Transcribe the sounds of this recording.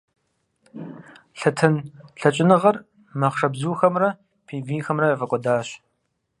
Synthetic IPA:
ɬɐtʰɐnɬɐt͡ʃʼɪnɨʁɐr | mɐχʂɐbzuːxɐmrɐ | pʰiːviːxɐmrɐɐvɐkʷʼɔdaːɕ

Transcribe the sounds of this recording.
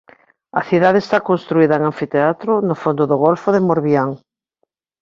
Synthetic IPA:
ɐ̰θiðaðest̪akonst̪ɾuiðɐeŋaɱfit̪eat̪ɾʊnʊfond̪oðʊɣolfoðemoɾβiaŋ

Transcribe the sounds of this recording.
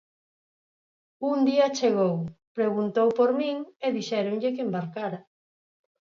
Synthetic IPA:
und̪iɐt͡ʃeɣowpɾeɣunt̪owpoɾmĩŋeðiʃɛɾoŋʎek̬embaɾkaɾa

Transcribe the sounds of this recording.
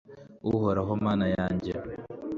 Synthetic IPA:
uhoɾaɦomaːnajaːɲɟe

